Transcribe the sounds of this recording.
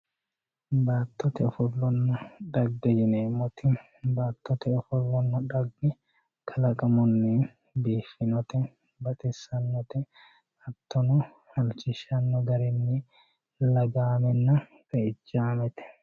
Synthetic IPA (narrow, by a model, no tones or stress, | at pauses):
baːt̪ːɔt̪ɛɔfʊlːɔnːɔᶑ̪ɐɡːɛd͡ʒɪneːmːɔt̪ɪ | baːt̪ːɔt̪ɛɔfʊlːɔnːɔᶑɐɡːɛ | kʰɐlɐkʼɐmʊnːɪ | biːfɪnɔt̪ɛ | bɐt̪ʼɪsːɐnːɔt̪ɛ | ɐt̪ːɔnɔ | hɐlt͡ʃɪʃɐnːɔɡɐɾɪnːɪ | lɐɡaːmɛnːɐ | kʼɐɪt͡ʃːaːmɛt̪ɛ̥